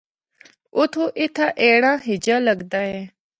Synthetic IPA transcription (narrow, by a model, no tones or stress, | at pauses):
ut̪ʰuʔit̪ʰaʔeɽãɦid͡ʑaləɡd̪ae